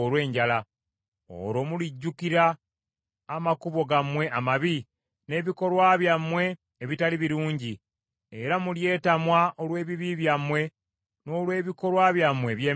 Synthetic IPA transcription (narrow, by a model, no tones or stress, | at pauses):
olwe̞ːɲɟala | o̰ɾo̞muliɟːukiɾaː | makuβo̞ɡamwe̞ʔamaβi | ne̞ːβiko̞lwaβjamwe̞ː | βitaliβiɾuːɲɟi | eɾamulje̞ːtamwaʔolwe̞ːβiβiβjamwe̞ | no̞ːlwe̞ːβiko̞lwaβjamwe̞βjeː